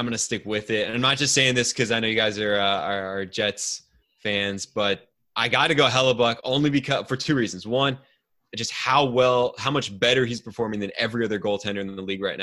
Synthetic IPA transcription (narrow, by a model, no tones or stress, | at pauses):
ɪ̃mɡʌnɨstɪkwɪðɪtɨ̃nãɪ̃mnət̚d̥ʒ̥ʌstseɪɪ̃ŋðɪskʰʌzaɪnoʊjɨɡaɪzə˞ʌəːd͡ʒɛts | fæ̃nzb̥ʌɾ | ʔaɪɡɑtɨɡoʊɦɛlˠəbʌkõ̰ʊ̃nlibɨkʰʌfə˞tʰʉɹiz̃n̩zwʌ̃n | d̥d͡ʒʌst̚haʊwɛlˠhaʊ̃mʌt͡ʃb̥ɛɾə˞iz̥pʰə˞fɔɹmɪ̃ŋðɨ̃nɛvɹiʌðə˞ɡoʊlˠtʰɛ̃ndə˞ð̃n̩ðəliɡɹaɪtⁿna